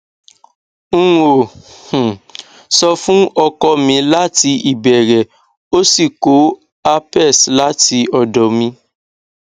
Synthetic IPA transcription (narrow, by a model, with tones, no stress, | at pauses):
ŋ̩̃˦o˨h̩˨ | sɔ˧fũ˦ɔ˧kɔ˧mĩ˧la˦ti˧i˨bɛ˨ɾɛ˨ | o˦si˦˨ko˨˦ | a˧pɛ˦˨sla˦ti˧ɔ˨dɔ˨mĩ˧